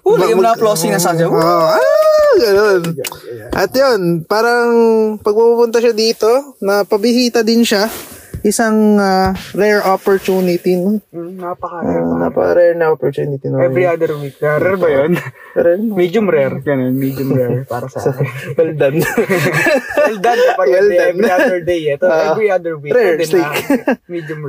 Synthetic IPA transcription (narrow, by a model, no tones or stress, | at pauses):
omɐjʊmnaplosɪŋnɐsaɡɐmʔoaɡɐnonʔɐt̪jonpaːɾɐŋpɐɡ̚pɐpupʊnt̪ɐʃɐd̪iːt̪o̞nɐpɐbɪɦiːt̪ɐd̪ɪnʃaʔɪsɐŋaɾɛɹʔopoɹt̪uːnɪt̪inonapɐkana̰pɐ̰kɐ̰ɾɛɹnɐʔopoɹt̪uːnɪt̪inoɛɾiad̪ɛɾwik̚ɐɾɛɾbɐjon | ɾɛmid͡ʒʊmɾɛɾɡɐnonmid͡ʒʊmɾɛpaːɾɐsɐʔaɡɐld̪ɐn | ɡɐld̪ankɐpɐɡɐliɛb̪ɾiad̪ɛɹd̪ejɛt̪ːɛvɾiad̪ɛɹwiɾɛɹd̪ɪsikmid͡ʒʊm